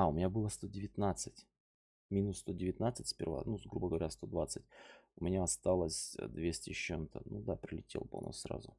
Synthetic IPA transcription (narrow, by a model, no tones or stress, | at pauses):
aʊmʲɪnʲabɨlˠəst̪o̞dʲɪvʲɪt̪nat̪sɨtʲ | mʲinʊsːt̪o̞dʲɪvʲɪt̪nat̪sɨtʲsʲpʲɪ̰rva̰nuɡɾubəɡəvɐɾʲast̪o̞d̪vat̪sɨtʲʊmʲɪnʲaɐst̪alˠəsʲd̪vʲesʲtʲɪɕent̪ənud̪apɾʲɪlʲɪtʲḛlˠpo̰no̰sɾa̰zʊ